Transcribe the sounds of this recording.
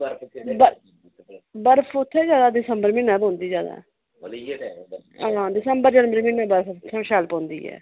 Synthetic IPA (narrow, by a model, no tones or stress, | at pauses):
bə | bəɾfʰʊt̪ʰːeːd͡ʒjaːd̪aːd̪ɪsəmbəɾmɪnːaːbɦõːnd̪iːd͡ʒja̰ːd̪a̰ː | ɦãːd̪ɪsəmbəɾd͡ʒənmbəɾmɪnːaːbəɾfʰt̪ʰːẽʃaːlpõːnd̪ḭːɛ̰ː